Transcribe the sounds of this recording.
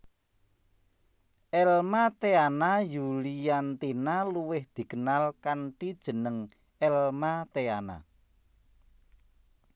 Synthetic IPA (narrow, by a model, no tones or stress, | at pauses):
ʔɛlmat̪eanajulijant̪inaluwɪhd̪̥i̤kənalkaɳʈid̥ʒ̥ə̤nəŋ | ɛlmat̪eana̰